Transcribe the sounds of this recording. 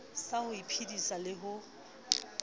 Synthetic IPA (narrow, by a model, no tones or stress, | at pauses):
sahʊipʰidisalɪɦʊ